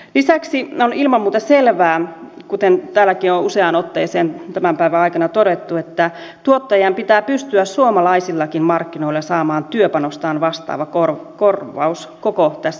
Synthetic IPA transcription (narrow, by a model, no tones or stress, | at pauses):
lisæksionilmɑmːuːt̪ɑselʋæː | kut̪ent̪æːlːækiouseɑnot̪ːeːseːnt̪æmæmpæiʋæɑikɑnɑt̪oɾet̪ːuet̪ːæ | t̪uot̪ːɑjɑmpit̪æːpyst̪yæssuomɑlɑisilːɑkimmɑrkːino̞ilːesɑːmɑːnt̪yøpɑnost̪ɑːnʋɑst̪ɑ̰ːʋɑkorkorʋɑ̰us | kokot̪æsː